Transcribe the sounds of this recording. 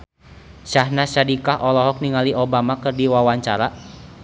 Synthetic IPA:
ʃahnaʃadikahʔɔlɔɦɔk̚niŋaliʔɔbamakɨrdiwawaɲt͡ʃaɾa

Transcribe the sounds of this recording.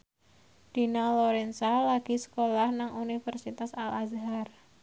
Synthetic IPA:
d̪̥inalɔɾɛnsalaɡ̥isə̥kolahnaŋunifərsit̪asalazɦar

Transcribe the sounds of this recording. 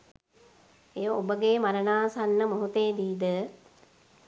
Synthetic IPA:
ejʋəobəɡeːmaɾənaːsanːəmoɦut̪eːd̪iːd̪ə

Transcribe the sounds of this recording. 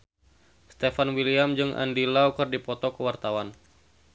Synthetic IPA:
st̪efanwiliamd͡ʒɨŋʔa̰ndilaukɨrdipɔt̪ɔkəwart̪awan

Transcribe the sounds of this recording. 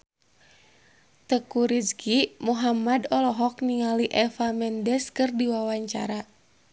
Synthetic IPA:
t̪əkuɾiskimuɦamadɔlɔɦɔk̚niŋaliʔɛfamɛndɛskɨrdiwawaɲt͡ʃa̰ɾa

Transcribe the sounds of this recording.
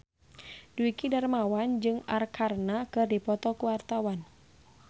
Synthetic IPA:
duikidarmawand͡ʒɨŋarkʰarnakɨrdipɔt̪ɔkuwart̪awan

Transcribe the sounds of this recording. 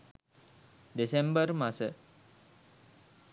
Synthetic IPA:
d̪esembəɾmasə

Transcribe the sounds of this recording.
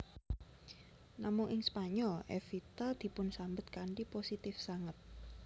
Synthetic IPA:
namʊŋɪŋspaɲɔlɛ̰fit̪ad̪̥i̤pʊnsambət̪̚kaɳʈiposit̪ɪfsaŋət̪̚

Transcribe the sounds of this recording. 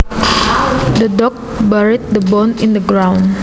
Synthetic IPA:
dədɔk̚baɹit̪̚dəbɔ̃nɪ̃ndəɡɹãwn

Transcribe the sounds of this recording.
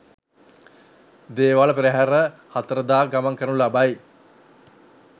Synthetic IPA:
d̪eːʋaləpiɾeɦæɾəhat̪əɾəd̪aːɡamaŋkəɾnulabaj

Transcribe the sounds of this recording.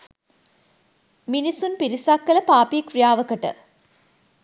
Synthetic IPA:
minisunpiɾisaːkːɐlɐpaːpiːkrijaːʋɐkɐʈə̰

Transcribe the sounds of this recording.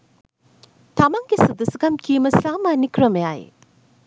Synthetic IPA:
tʰamaŋɡisud̪ɐskɐmkʰimɐsamɐnikʰɾɐmɐjaj

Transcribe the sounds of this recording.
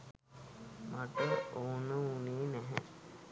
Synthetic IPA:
maʈ̪əoːnəuneːnɛɦə̰

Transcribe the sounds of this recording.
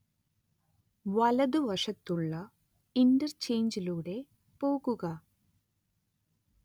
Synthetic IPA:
ʋɐlɐðɨʋɐʂɐt̪ːuɭːɐ | indɐrt͡ɕe̞jɲd͡ʑiluːɽe̞ | po̞ːɣuɣɐ

